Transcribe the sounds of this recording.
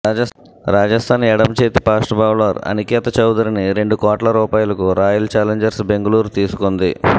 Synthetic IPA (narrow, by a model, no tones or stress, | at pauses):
ɐ | ɾaːd͡ʒɐst̪ʰaːnɛɽɐmt͡ʃeːt̪ipaːsʈbʱaːwlɐːɾɐ̰nikɛːt̪ɐt͡ʃɐwd̪ɐɾiniɾe̞ɳɖukɔːʈlɐɾuːpaːjulɐkuɾaːjult͡ʃaːleɲd͡ʒɐɾsbe̞ŋɡɐluːɾut̪iːsu̥kond̪i